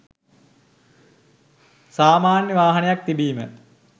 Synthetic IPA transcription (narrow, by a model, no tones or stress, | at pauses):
saːmaːnjəʋaːɦɐnejak̚t̪ibiːmə